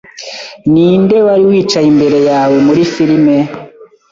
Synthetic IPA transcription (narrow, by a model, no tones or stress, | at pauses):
niːndewaɾiwiːt͡ʃaimbeɾejawemuɾifiɾime